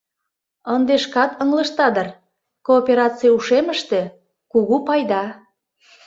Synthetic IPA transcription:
ənd̪eʃkɑt̪əŋlə̆ʃt̪ɑd̪ər | koːpʲeɾɑt͡sijuʃeməʃt̪e̽ | kuɣupɑjd̪ɑ

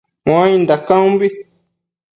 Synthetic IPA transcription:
mãindakãmbi

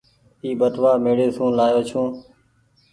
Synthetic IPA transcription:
iːɓəʈ̪ʋaːmeːɽeːsũːlaːjoːt͡ʃʰũː

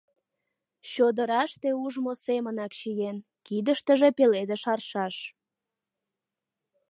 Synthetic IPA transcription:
ɕod̪əɾɑʃt̪euʒmosemənɑkʃijen | kid̪əʃt̪əʒepeled̪eʃɑrʃɑʃ

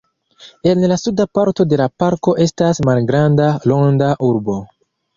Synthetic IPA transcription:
e̞nlasudapaɾto̞de̞lapaɾko̞ʔe̞stasmalɡɾandalo̞ŋdaʔuɾbo̞

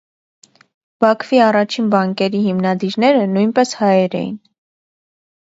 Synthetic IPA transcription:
b̥ɑkʰv̥iɑrɑt͡ʃʰinbɑŋkɛɾiɦimnɑd̪iɾnɛɾənujnpɛshɑjɛɾɛ̰jḭn

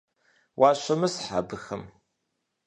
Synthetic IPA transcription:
wʔaʃʷɐmɨsħa̰bɨxɐm

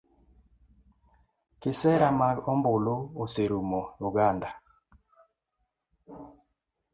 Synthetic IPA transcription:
kɪsɛɾamaɡɔmbʊlooseɾumojuɡanda

